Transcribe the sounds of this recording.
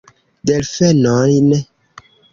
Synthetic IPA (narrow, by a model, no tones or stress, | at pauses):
dɛlfɛnɔɾinɛ